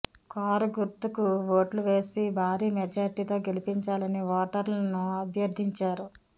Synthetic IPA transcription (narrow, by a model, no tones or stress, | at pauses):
kaːɾuɡuɾt̪ukuʋoːʈluʋe̞ːsibʱaːɾiːmɛd͡ʒaːɾiʈiːt̪o̞ːɡe̞lipiɲt͡ʃaːlɐniʋɔːʈɐɾlɐnuɐbʱjɐɾd̪ʱiɲt͡ʃaːɾu